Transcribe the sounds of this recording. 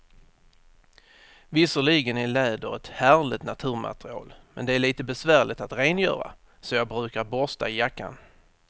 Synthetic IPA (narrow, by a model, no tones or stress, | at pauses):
vɪsəɭiɡənɪɭɛːd̪əɾɛt̪hæːɾɭɪt̪nat̪ʰʉ̟ːɾma̰t̪ɾɪɑ̰ːlmɛ̰nd̪ɛæɭiːt̪əbɛsvæːɭɪt̪at̪ɾeːnjœ̰ːɾa̰ | sɔjɑːɡbɾʉ̟ːkaɾbɔst̪a̰ɪjakːa̰n